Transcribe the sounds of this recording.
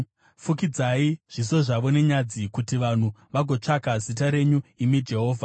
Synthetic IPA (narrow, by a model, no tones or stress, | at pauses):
fukid͡zaiʐ̥is̬o̞ʐaʋo̞ne̞ɲad͡zikutiʋan̤uʋaɡʱo̞t͡ʂakazitaɾe̞ɲuimid͡ʒe̞ɦo̞ːvʱa